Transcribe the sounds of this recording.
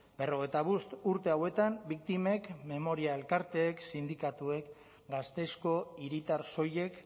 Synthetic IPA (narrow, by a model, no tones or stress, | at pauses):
be̞ro̞ɣ̞e̞jt̪aβ̞ust̪uɾt̪e̞awe̞t̪ambik̚t̪ime̞kme̞mo̞ɾiae̞lkaɾt̪e̞ːksind̪ikat̪ue̞k | ɡast̪e̞sko̞iɾit̪aɾso̞je̞k